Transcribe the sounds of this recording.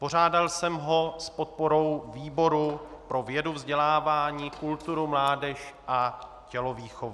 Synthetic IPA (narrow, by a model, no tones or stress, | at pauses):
po̞ɾ̝aːdalsɛmɦo̞spo̞t̪̚po̞ɾo̞wviːbo̞ɾupɾo̞vjɛduvzɟɛlaːvaːɲiːkult̪uɾumlaːdɛʃʔa | cɛlo̞viːxovu